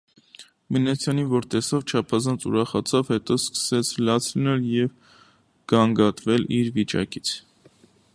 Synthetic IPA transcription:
mənɛt͡sʰjɑnivɔɾt̪ɛsɔvt͡ʃʰɑpʰɑzɑnt͡sṵɾɑχɑt͡sʰɑvhɛt̪ɔskə̥sɛt͡sʰlɑt͡sʰlənɛljɛv | ɡ̥ɑŋɡɑt̪vɛliɾvit͡ʃɑ̰kit͡sʰ

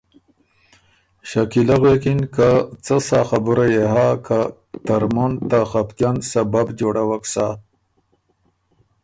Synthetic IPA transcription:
ʃakilaɣwekinkat͡sasaxabuɾajeɦakʰa | t̪aɾmunt̪axapkjansababd͡ʒoɽawaksa

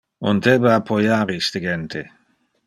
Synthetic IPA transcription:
ond̪ebaapʰojaɾist̪eɡent̪ʰe

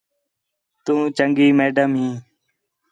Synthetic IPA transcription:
t̪ũːt͡ʃəŋɡiːmeːɖəmɦĩː

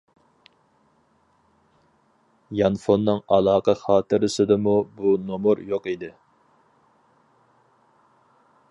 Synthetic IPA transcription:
jɑnfonːɨŋɑlˠɑːqəχɑːt̪ʰɨɾɪsɪd̪ɨmubunomuɾjoqid̪ɪ

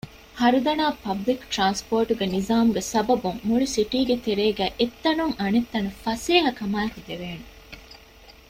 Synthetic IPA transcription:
hɐɾud̪ɐnaːpɐblikʈɾaːnspoːɾʈuɡenizaːmuɡesɐbɐbuŋːuɭisiʈiːɡet̪eɾeːɡæːʔet̪ːɐnuŋʔɐnet̪ːɐnufɐseːɦɐkɐmaːkud̪eʋeːnu

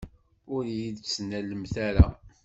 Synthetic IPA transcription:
ʊɾjiðt͡sːnæləmθæɾæ

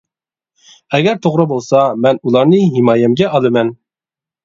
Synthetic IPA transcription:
ɛɡʲɛɾt̪ʰoʁɾəbolˠsɑmɛnulˠɑɾnɨɦimɑːjɛmɡʲɛʔɑlˠɨmɛn

